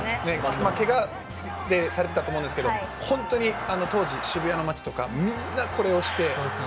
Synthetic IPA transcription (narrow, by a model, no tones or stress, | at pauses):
ne̞make̞ɡa | d̪e̞saɾe̞t̪e̞t̪at̪omoɯ̃ndesɨkeohõ̞nt̪o̞ɲ̟iano̞t̪o̞ːʑiɕibɯ̟jano̞mat͡ɕi̥t̪o̞kamʲĩnːakʰo̞ɾe̞o̞ɕi̥t̪e̞